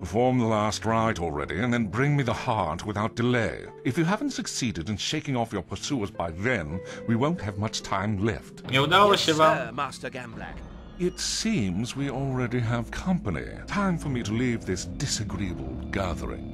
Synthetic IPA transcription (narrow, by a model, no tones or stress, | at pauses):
pəfɔɹmðəlæst̚ɹaɪɾl̩ˠɹɛ̰ɾḭɨ̃nðɨ̃nbɹɪ̃ŋmiðəhɑɹt̚wɨθaʊt̚d̥ɨleɪ | ɨfjɨɦævn̩tsɨksiɾɨɾɨ̃nʃeɪkɪ̃ŋɔfjə˞pʰə˞suə˞zbaɪðɨ̃nwiwõʊ̃nt̚hɨvmʌt͡ʃtʰãɪ̃mlɛ̰ftoʊd̪awəʃɪvamɑstə˞ɡæ̃mblæ̰k | ɪtssĩmzwil̩ˠɹɛɾiəv̥kʰʌ̃mpənḭtʰãɪ̃ɱfə˞miɾəlivðɪsd̥ɨsɨɡɹiɨbl̩ˠɡæɹðə̰˞ɪ̰̃ŋ